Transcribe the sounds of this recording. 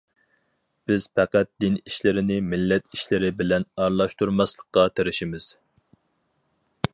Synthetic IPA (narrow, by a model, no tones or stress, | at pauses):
b̥ɪz̥pæqæt̪̚d̪ɪniʃlɪɾɪnɪmɪlːɛt̪iʃlɪɾɪbɪlɛnɑɾlˠɑʃt̪uɾmɑslˠəqːɑt̪ʰeɾɪʃimɪz̥